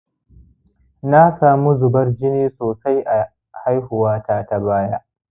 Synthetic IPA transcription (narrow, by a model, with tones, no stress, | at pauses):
na˦saː˨mu˦zʊ˨bɐ˦rd͡ʒɪ˦niː˦soː˨sa˦jʔa˨ | ha˦jhʊ˨waː˦taː˦ta˨baː˦ja˦